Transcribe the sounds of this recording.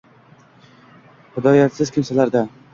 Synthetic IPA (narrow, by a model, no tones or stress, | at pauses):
hɪd̪ɒjat̪sɪz̥kʲʰɪmsalaɾd̪a